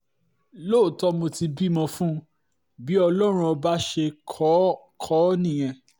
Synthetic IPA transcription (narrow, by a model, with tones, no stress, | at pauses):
lo˦˨tɔ˦mo˧ti˧bi˦˨mɔ̃˧fũ˦ | bi˨˦ɔ˧lɔ˦ɾ̃ũ˧o˧ba˦ʃe˧kʰɔ˨˦ | kʰɔ˦nĩ˦˨j̃ɛ̃˧